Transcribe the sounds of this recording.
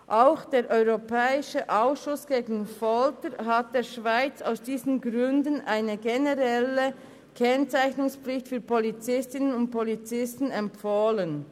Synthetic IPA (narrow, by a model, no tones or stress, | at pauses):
ʔaʊxd̥eːɾʔɔʏʁopʰɛːɪʃəʔaʊsʃʊsɡ̥eːɡn̩fɔltəɾɦat̚d̥eːɐʃv̥aɪt͡sa̰ʊsd̥iːzən̩ɡʁʏndənʔaɪnəɡenəʁɛlə | kʰɛnt͡saɪçnʊŋsplɪçtfyːɐpolit͡sɪstɪnənʊnt̚polit͡sɪstn̩ɛmpfoːlən